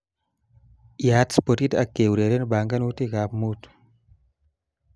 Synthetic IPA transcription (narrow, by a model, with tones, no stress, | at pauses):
ja˨˦tspo˨ti˦ta˨kːe˨wu˨ɾe˨de˦nba˨ŋɡa˦nwu˦ti˦ɡa˨pmu˦t